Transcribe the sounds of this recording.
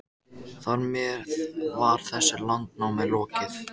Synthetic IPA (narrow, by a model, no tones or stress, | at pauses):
θɔɾmjɛðvaɾ̥θɛsːɪlant̪nawmɛðlɔːcɪθ